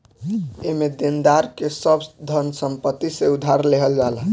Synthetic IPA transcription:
emed̪end̪aɾkesəbd̪ʱənsəmpət̪ːiseud̪ʱaɾleɦəld͡ʒalə

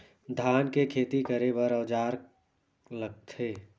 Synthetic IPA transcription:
d̪ʱaːnkekʰeːt̪ikəɾebəɾəʋd͡ʒaːɾ | ləɡ̚t̪ʰeː

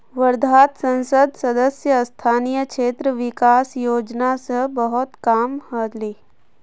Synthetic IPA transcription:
ʋəɾd̪ʱaːt̪sə̃nsəd̪sɐd̪əsjəst̪ʰaːnijəkʃeːt̪ɾəʋɪkaːsjoːd͡ʒnasəbəɦʊt̪kaːmhət̪liː

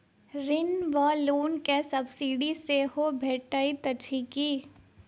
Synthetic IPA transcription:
ɾɪnʋaluːnkesɐbsiːɖiseɦobʱeːʈait̪ɐt͡ʃʰikiː

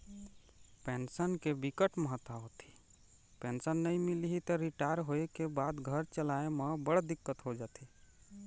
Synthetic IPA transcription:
pɛnsənkebikəʈməɦət̪aɦot̪ʰi̥ | pensənːəĩmiliɦit̪ɔɾiʈaɾɦoekebaːd̪ɡʱəɾt͡ʃəlaemẽbəɽd̪ɪkːət̪ɦod͡ʒat̪ʰi

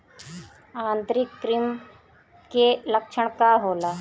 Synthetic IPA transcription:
ãːnt̪ɾikːɾim | kelɐkʃʰəɳ̃kaɦoːlaː

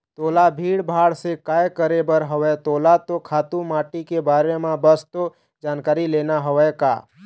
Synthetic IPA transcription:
t̪oːlabʱiːɽbʱaːɽsekaːjkəɾebəɾɦəʋɛt̪oːlat̪okʰaːt̪ũmaːʈikebaːɾemãbəst̪o | d͡ʒaːnkaːɾileːnaɦəʋɛka̰ː

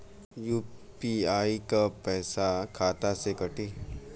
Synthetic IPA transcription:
juːpiaːikapɛːsakʰaːt̪asekɐʈiː

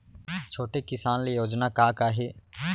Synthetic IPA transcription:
t͡ʃʰoːʈeːkɪsaːnlejoːd͡ʒnaːkaːkaːɦeː

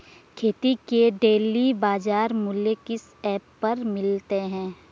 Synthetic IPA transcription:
kʰeːt̪ikeɖeːlibaːd͡ʒaːɾmʊljekɪs | ɛːpːɐɾmɪlt̪eɦɛ̃ː

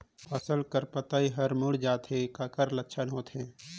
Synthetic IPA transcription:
pʰɐsəlkəɾpət̪aːiɦɐɾmʊɽd͡ʒaːt̪ɦekakəɾlɐkːʃʰənɦoːt̪ʰẽː

